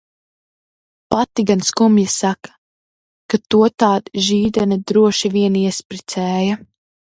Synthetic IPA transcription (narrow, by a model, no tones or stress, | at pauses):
pat̪iɡanskumjasakḁ | kat̪uɔt̪aːd̪ʒiːd̪ɛnad̪ɾuɔʃiviɛniɛspɾit̪sɛːjɐ